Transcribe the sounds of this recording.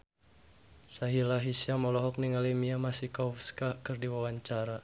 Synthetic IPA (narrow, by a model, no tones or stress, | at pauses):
saɦilaɦisiamɔlɔɦɔk̚niŋalimiamasikɔfskakɨrdiwawaɲt͡ʃaɾa